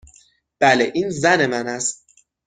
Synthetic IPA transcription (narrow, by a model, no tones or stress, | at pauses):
b̥æleʔiːnzæne̞mænæst̪̚